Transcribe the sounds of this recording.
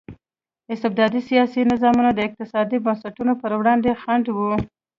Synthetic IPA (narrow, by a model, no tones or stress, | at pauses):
ɪst̪ɪb̚d̪ɑd̪isijɑsinɪzɑmunod̪əɪq̚t̪ɪsɑd̪ibənsaʈunopəɾwɽɑnd̪exaɳɖwu